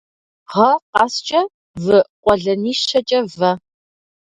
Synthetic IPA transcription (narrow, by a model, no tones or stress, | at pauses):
ʁɐqɑːst͡ʃʼɐ | vɨqʷɔɮɐniːʃɐt͡ʃʼɐvɐ